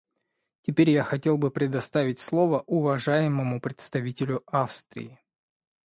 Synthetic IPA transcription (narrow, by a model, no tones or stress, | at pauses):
tʲɪpʲeɾʲjaxɐtʲe̞lˠbɨpɾʲɪd̪ɐst̪avʲɪtʲslˠo̞vəʔʊvɐʐajɪməmʊpɾʲɪt̪st̪ɐvʲitʲɪlʲʊafst̪ɾʲɪ̰ɪ